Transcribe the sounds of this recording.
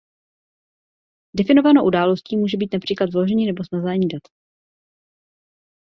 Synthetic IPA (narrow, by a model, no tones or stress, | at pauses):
dɛfɪno̞vanoʔudaːlo̞sciːmuːʒɛbiːt̪napr̥iːklat̪vlo̞ʒɛɲiːnɛbo̞snazaːɲiːdat̪